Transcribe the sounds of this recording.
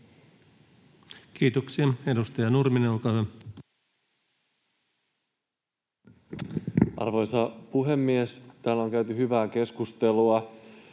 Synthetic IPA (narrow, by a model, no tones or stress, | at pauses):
kiːt̪oksiɑe̞dust̪ɑjɑnurmineukɑʋɑ | ʔɑ̰rʋo̞jsɑpuɦe̞mːiest̪æːlːoŋk̟æyt̪yɦyʋæːke̞skust̪e̞luɑ